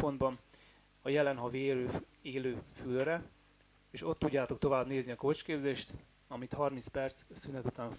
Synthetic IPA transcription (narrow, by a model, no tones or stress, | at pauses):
po̞nd̪bɒn | ɒjɛlɛnɦɒveøːeːløːfylrɛ | eːʃo̞t̪ːuɟːaːt̪o̞k̚t̪o̞vaːbneːzniɒkoːt͡ʃkeːbzeːʃt̪ | ɒmit̪hɒrminspɛrt̪ssynɛt̪ut̪aːn